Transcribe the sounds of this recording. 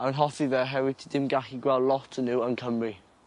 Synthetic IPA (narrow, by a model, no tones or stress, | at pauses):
awnɦɔθiðɛɦɛvɪtʰədɪmɡaχiɡwɛlˠlˠɔtʰənuwənkʰəmri